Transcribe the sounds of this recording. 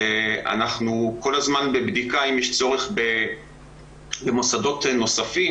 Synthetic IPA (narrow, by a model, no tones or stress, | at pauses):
ea̰naχnuko̞lazmanbe̞bd̪ikaimjeʃt͡so̞ʁeχbe | be̞mosado̞tno̞safi